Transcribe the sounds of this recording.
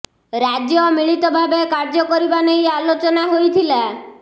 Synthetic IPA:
ɾad͡ʒjɔmiɭit̪ɔbʱabekaɾd͡ʒɔkɔɾibanejalot͡ʃɔnaɦojt̪ʰila

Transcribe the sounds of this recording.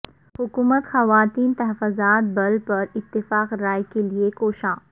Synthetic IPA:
hʊkuːmət̪xɐʋaːt̪iːnt̪ɐɦəfːozaːt̪̚bɐlpɐɾɪt̪ːɪfaːqɾaːjkeliekoːʃãː

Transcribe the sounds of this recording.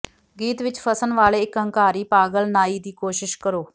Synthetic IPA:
ɡiːt̪ʋɪt͡ʃpʰəsənʋaːleːɪkə̃ŋkaːɾiːpaːɡəlnaːiːd̪iːkoːʃɪʃkəɾoː

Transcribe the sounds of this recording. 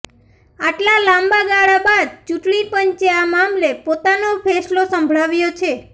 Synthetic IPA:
aʈlalãmbaɡaɭabad̪̚t͡ʃuʈɳipəɲt͡ʃeamamlepot̪anopʰeslosə̃mbʱɭaʋjot͡ʃʰe

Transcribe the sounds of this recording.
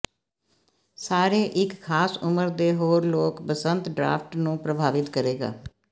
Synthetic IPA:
saːɾeːʔɪkkʰaːsʊməɾd̪eːɦoːɾloːkpəsənt̪ɖɾa̰ːpʰʈnũːpɾəbʱaːʋɪt̪kəɾeːɡa̰ː

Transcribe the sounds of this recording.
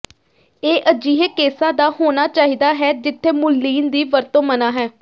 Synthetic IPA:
eːʔəd͡ʒiːɦekeːsãːd̪aːhoːnaːt͡ʃaːɦiːd̪aːɦɛːd͡ʒɪt̪ʰːeːmʊlːiːnd̪iːʋəɾt̪õːmənaːɦɛː

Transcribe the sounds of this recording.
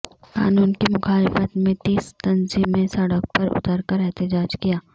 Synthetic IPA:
ka̰ːnuːnkimʊxaːlɪfət̪mẽt̪iːst̪ɐnzimẽsɐɽək̚pɐɾʊ̰t̪əɾkəɾɛɦt̪ɪd͡ʒaːd͡ʒkijaː

